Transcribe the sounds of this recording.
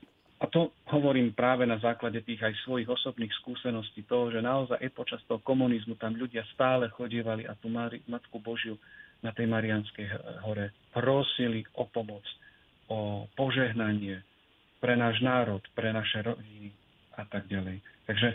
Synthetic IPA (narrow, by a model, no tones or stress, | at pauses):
ʔat̪ɔɦɔʋɔɾiːmpɾaːʋɛnazaːklaɟɛt̪iːɣajsʋɔjiɣɔsɔbniːxskuːsɛnɔsciːt̪ɔɦɔʒɛnaɔzajʔapɔt͡ʃast̪ɔɦɔkɔmunizmut̪amʎuɟɪast̪aːlɛxɔɟiːʋalia̰t̪uːmaɾimat̪kubɔʒɪjunat̪ɛjmaɾianskɛjɦɔɾɛ | pɾɔsiliʔɔpɔmɔt͡s | ɔpɔʒɛɦnaɲɪɛ | pɾɛnaːʒnaːɾɔt̪pɾɛnaʃɛɾɔɟini | at̪aɡɟalɛjt̪aɡʒɛ